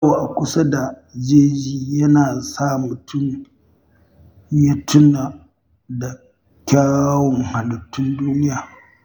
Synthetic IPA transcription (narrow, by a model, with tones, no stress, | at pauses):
wa˨ʔa˨kʷʊ˦sa˦da˨ | d͡ʒeː˦d͡ʒiː˦jɐ˦naː˨sa˦mʊ˨tʰʊ˦˨m | ja˦tʰʊ˦na˨ | da˨ | kʲaː˦wɔ˨ŋha˨lɐ˨tːʊ˦nduː˦nɪ˦jaː˨